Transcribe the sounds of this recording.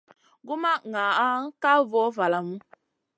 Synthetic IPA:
ɡu˦ma˦ŋa˨a˦ŋ̩˦ka˦vɔ˨˦va˨la˨mu˦

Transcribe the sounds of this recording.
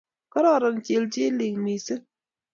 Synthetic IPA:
kɔ˦ɾɔ˦˨ɾə˨ŋt͡ʃe˨ld͡ʒi˦li˨ŋmi˨sɨ˦

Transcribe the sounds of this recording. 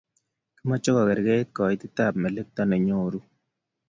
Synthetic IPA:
kɪ˦mɔ˦t͡ʃɔ˦kɔ˨kɛ˨ɾɡɛ˦t̚kɔ˨ɪ˦tɪ˦ta˦˨p̚mɛ˨le˦k̚tɔ˦ne˨ɲo˦˨ɾu˦

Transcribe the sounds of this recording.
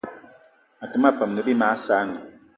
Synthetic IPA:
a˨tɨ˨ma˦˨pə˨mnɨ˨bi˦ma˨˦saː˦nɨ˨

